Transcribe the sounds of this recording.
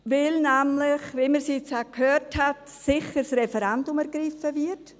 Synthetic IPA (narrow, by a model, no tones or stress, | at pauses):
vɪlnɛmlɪχviːməsɪt͡sakʰhøːrthat | sɪχəɾsrefɛɾandʊmɛɾɡɾɪfəvɪɾt